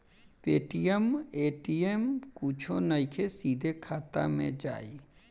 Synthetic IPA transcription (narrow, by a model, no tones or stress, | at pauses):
peːʈijemeːʈijemkut͡ʃʰonəɪkʰesiːd̪ʱekʰaːt̪a̰mḛ̃d͡ʒa̰ːi